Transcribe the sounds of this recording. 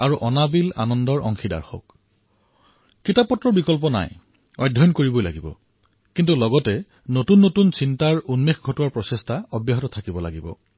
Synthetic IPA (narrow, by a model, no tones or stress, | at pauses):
aɹuʔɔnabila̰nɔndɔɹʔɔ̰ŋxida̰ɹxɔ̰k | kːitapːɔtɹɔɹbikɔlpɔna̰j | ɔ̰jdʱɔnkoɹibojla̰ɡibɔ̰ | kintulɔɡɔtɛ | notunːotunsintaɹunmexɡʱɔtuwaɹpɹɔsɛstʰaɔbjaɦɔtɔtʰakibɔla̰ɡibɔ̰